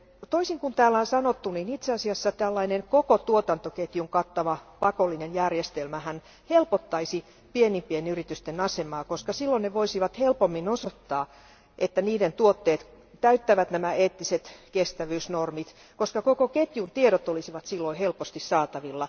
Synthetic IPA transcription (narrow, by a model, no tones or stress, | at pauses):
t̪oisiŋkunt̪æːlːæonsɑnot̪ːuninit̪seɑsiɑsːɑt̪ælːɑinenkokot̪uot̪ɑnt̪oket̪juŋkɑt̪ːɑʋɑpɑkolːinenjærjest̪elmæhæn | helpot̪ːɑisi | pienimpienyrit̪yst̪enɑsemɑːkoskɑsilːoneʋoisiʋɑt̪helpomːinosot̪ːɑː | ʔet̪ːæniːdent̪uot̪ːeːt̪ | tæyt̪ːæʋæt̪næmæeːt̪ːiset̪kest̪æʋyːsnormit̪ | koskɑkokoket̪junt̪ieɾot̪olisiʋɑt̪silːoihelpost̪issɑːt̪ɑʋilːɑ